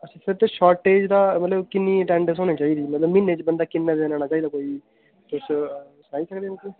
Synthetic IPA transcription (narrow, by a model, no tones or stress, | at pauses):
əsĩːsɪɾt̪eːʃɔːɾʈːeːd͡ʒd̪aːmət̪ləbkɪnːiːʈɛ̃ːɳɖəsɦõːniːt͡ʃaːiːd̪iːmət̪ləbmɪnːeːt͡ʃbənd̪aːkɪnːaːd̪eːnãːnaːt͡ʃaːid̪aːkoːiː | t̪ʊs | sənaːiːsəkd̪eːnːke